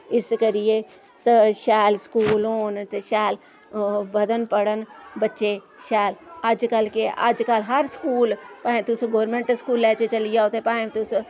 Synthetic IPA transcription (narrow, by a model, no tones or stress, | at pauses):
ɪskəɾije | sʃɛːlskuːlɦoːnt̪eʃɛːl | bəd̪ənpəɽənbətːʃe | ʃɛːləd͡ʒkəlkeʔa̰d͡ʒkəlɦɐɾskuːlpaẽt̪ʊsɡoːɾmẽɳʈəskuːlːɛːt͡ʃet͡ʃəlijaot̪epãːẽt̪ʊs